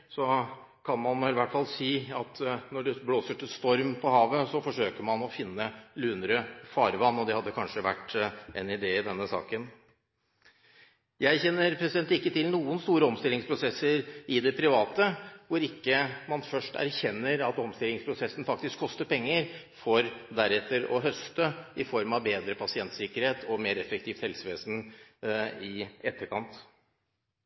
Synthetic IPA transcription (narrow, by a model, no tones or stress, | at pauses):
sɔ | kʰɑnmɑnɪlɪʋæʈːfɑlsiːɑt̪nɔɖɛbloːsəʈɪlst̪ɔɾmpʰɔhɑːʋəsɔfɔʂøːkəɾmɑnɔfɪnːəlʉːnɾəfɑːɾʋɑnːɔd̪ɛhɑd̪ːəkʰɑnʂəʋæ̰ʈːɛnɪd̪eːɪd̪ɛnːəsɑ̰ːkən | jæɪçɛnːəɾpʰɾɛsɪd̪ɛnt̪ɪkːət̪ɪlnuːənst̪uːɾəɔmst̪ɪlːɪŋspʰɾʊsɛsəɾɪd̪ɛpʰɾɪʋɑːt̪əʋʊɾɪkːəmɑnfœʂʈæ̰ɾçɛnːəɾɑt̪ɔmst̪ɪlːɪŋspʰɾʊsɛsn̩fɑkt̪ɪskʰːɔst̪əɾpʰɛŋːəɾ | fɔɾd̪æɾɛt̪ːəɾɔ̰ɦœst̪əɪfɔɾmɑʋbeːd̪ɾəpʰɑsɪɛnt̪sɪkəɾheːt̪ʰɔmeːɾɛfəkt̪ʰiːft̪hɛlsəʋeːsn | ɪɛt̪ːəkʰɑnt̪